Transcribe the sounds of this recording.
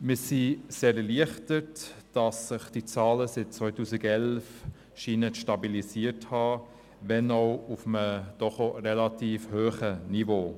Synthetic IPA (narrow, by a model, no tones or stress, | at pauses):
mɪsiseːɾɛliəχtətd̥ɑsːɪχd̥it͡sɑːləsɪt̚t͡sʋœʏtuːsiɡɛlf | ʃiːnəʃtɑbilisiəthɑ | vɛnɔʊʊfəməd̥ɔχorɛlɑtiːfhøːχənivoː